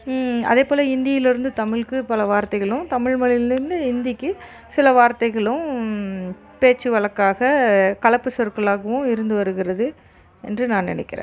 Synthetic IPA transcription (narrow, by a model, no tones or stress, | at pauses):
ɐ̰ðeːpoːlɐɪnd̪ɪjɐjɪlɪɾɯnd̪ɯt̪ɐmɪɭkɯpɐlɐʋaːɾt̪ɐɪɣɐɭʊ̃t̪ɐmɪɻmɐɭɪlɪɾɯnd̪ɯɪnd̪ɪkːɯ | sɪlɐʋaːɾt̪ɐɪɣɐɭʊ̃ | peːt͡ʃːɯʋɐɭɐkːaːɣɐkɐɭɐpːɯsɔɾkːɐɭaːɣɐʋʊ̃ɪɾɯnd̪ɯʋɐɾɯɣɪɾɐðɯ | ɛ̰ndrɯnãːnɪ̰nɛ̰kːɪɾḛ̃ː